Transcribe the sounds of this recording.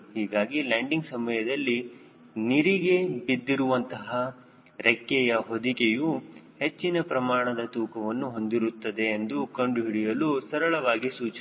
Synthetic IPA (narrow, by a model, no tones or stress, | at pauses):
hiːɡaːɡilaːɳɖiŋɡsɐmɐjɐd̪ɐlːi | niɾiɡe̞id̪ːiɾuʋɐnt̪ɐɦɐ | ɾʔekːɛjɐɦod̪ikejuhe̞t͡ʃːinɐpɾɐmaːɳɐd̪ɐt̪uːkɐʋɐnːuɦo̞nd̪iɾut̪ːɐd̪e̞ːnd̪ukɐɳɖuɦiɽijɐlusɐɾɐɭɐʋaːɡisuːt͡ʃ